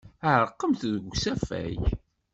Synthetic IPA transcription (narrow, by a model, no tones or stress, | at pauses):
əʕəɾˤqːəmθðəɡsæfæ̰j